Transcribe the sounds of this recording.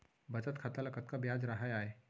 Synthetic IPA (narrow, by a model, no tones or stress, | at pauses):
bət͡sət̪kʰat̪aləkət̪̚kabjad͡zɾaɦajae